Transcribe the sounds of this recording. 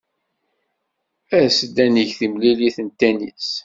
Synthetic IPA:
æsəd̪ænəʝθimliliθənt̪ænḭs

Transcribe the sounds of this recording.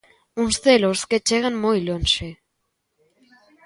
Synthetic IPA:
unsθelosket͡ʃeɣenmojlonʃe

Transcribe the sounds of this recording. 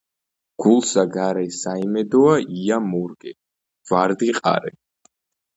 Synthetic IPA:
ɡ̥ulˠsaɡaɾɛsaimɛd̪ɔaiamuɾɡɛ | vaɾd̪iqʼa̰ɾɛ

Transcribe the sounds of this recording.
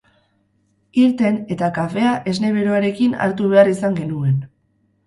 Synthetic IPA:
iɾt̪e̞ne̞t̪akafe̞aʔe̞zne̞βeɾoaɾe̞kina̰ɾt̪uβe̞arisaŋɡe̞nue̞n

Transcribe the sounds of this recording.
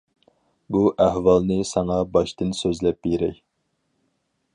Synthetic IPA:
buʔæhwɑlˠnɨsɑŋɑbɑʃt̪ɨnsøzlɛp̚beɾɛ̰j

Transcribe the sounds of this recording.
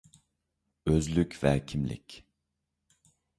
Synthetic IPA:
øzlʲycvɛcʰimlʲḭc

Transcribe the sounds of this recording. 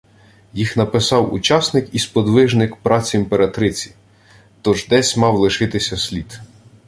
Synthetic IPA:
jixnɐpɪsɑwṵt͡ʃɑsnɪkispɔd̪ʋɪʒnɪkpɾɑt͡sʲimpeɾɐt̪ɾɪt͡sʲi̥ | t̪ɔʒd̪ɛsʲmɑwlˠɪʃɪt̪ɪsʲɐsʲlʲit̪

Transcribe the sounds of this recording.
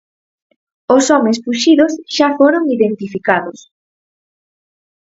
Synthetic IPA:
osɔmespuʃiðosʃafoɾoŋiðent̪ifikaðos

